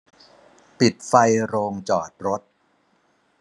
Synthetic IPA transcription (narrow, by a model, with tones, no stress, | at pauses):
pi˨˩t̪̚fa˧jɾoː˧ŋt͡ɕɔː˨˩t̪̚ɾo˦˥t̪̚